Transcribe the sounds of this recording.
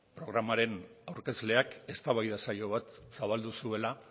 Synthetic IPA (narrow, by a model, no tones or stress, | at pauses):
pɾo̞ɣ̞ɾamaɾe̞nawɾke̞zle̞ake̞st̪aβajðasaʎo̞β̞at̪saβald̪usue̞la